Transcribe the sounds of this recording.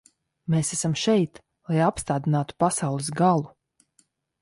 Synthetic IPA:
meːsæsamʃɛjt̪ | lˠajapst̪aːd̪inaːt̪u̥pasawlˠɨsɡalˠu

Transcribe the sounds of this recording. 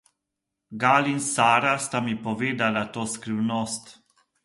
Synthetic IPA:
ɡaːlinsaːɾast̪amipɔʋeːd̪alat̪oːskɾiwnɔst̪

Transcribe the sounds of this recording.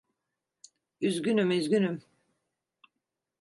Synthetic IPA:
yzɡʲynymyzɡʲynym

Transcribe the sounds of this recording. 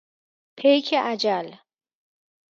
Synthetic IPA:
pʰejcʰeʔæd͡ʒæl

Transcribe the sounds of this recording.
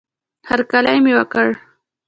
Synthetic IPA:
haɾkalajmewakəɽ

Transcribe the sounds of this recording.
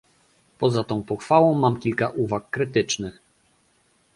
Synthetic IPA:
pɔzat̪ɔ̃w̃pɔxfawɔ̃w̃mamkʲilkaʔuvakːɾɘt̪ɘt͡ʂnɘx

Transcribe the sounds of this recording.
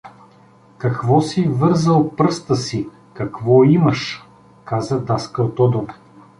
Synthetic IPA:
kɐkvɔsivɤɾzəlˠpɾɤst̪əsi | kɐkvɔimɐʃ | kazəd̪askəot̪ɔd̪o

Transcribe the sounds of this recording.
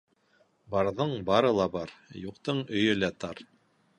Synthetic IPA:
bɑɾðɤɴbɑɾɤlˠɑbɑɾjuqt̪ɤɴɵ̆jɵlæt̪ɑɾ

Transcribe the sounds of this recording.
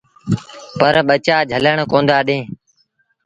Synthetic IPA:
pəɾɓət͡ʃaːd͡ʒʱələɳkõːnd̪aːɗẽː

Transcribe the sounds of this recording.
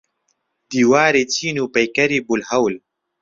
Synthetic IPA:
d̪̥iːwaːɾet͡siːnupɐjkɐɾibʊlhɐwl

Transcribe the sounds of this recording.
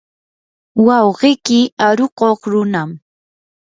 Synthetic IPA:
wɑwɢɪkɪaɾoqoχɾʊnam

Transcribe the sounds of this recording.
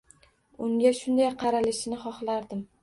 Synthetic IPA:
ʊŋɡʲaʃʊnd̪ajqʰɑɾalɪʃɪnɪχɒχlaɾd̪ɪm

